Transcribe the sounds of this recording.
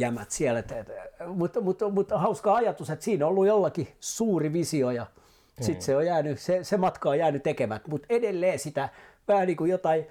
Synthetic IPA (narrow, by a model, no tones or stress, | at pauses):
jæmæt̪siælet̪etmut̪mut̪mut̪hɑuskɑɑjɑt̪uset̪siːnoolːujolːɑkisuːriʋisiojɑ | sit̪seojæːnysesemɑt̪kɑojæːnyt̪ekemæt̪mut̪edelːeːsit̪æʋæhæniːkujot̪ɑi